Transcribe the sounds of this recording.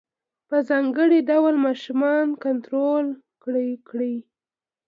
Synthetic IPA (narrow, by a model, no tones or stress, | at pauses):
pəzɑŋɡəɽiɖawlmɑʃumɑnkant̪ɾol | kɽikɽi